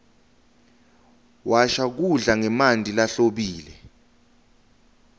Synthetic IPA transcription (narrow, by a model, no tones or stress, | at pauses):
wʔaʃak̬uɮaŋɛmandʱilaɬoɓiːlɛ